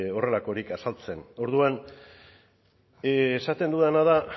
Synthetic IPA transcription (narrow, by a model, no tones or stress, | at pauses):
o̞re̞lako̞ɾikasalt͡se̞no̞ɾðuan | sat̪e̞nd̪uðanaða